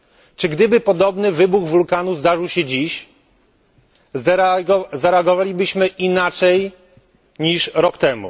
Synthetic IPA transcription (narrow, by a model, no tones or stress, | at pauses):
t͡ʂɘɡd̪ɘbɘpɔd̪ɔbnɘvɘbuɣvulkanuzd̪aʐɘwɕɛd͡ʑiɕ | zaɾɛaɡɔvalʲibɘɕmɘʔinat͡ʂɛj | ɲiʂɾɔkt̪ɛmṵ